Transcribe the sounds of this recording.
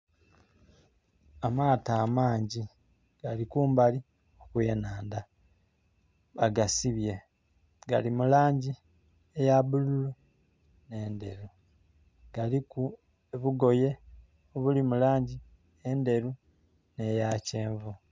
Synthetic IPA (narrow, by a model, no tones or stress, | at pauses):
amaːtaːmaːɲɟi | ɡ̥alikuːmbali | o̞kujenaːnda | βaɡasiβje̞ | ɡalimulaːɲɟi | ejaβululu | ne̞ːnde̞ɾu | ɡ̥aliku | eβuɡo̞je̞ | oβulimulaːɲɟi | ende̞ɾu | nejaceːɱvu